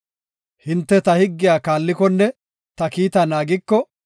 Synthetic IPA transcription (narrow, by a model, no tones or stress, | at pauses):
hɪnt̪ːɛt̪ɐhɪɡːɪjaːkaːlːɪkɔnːɛ | t̪ɐkiːt̪ɐnaːɡɪkːɔ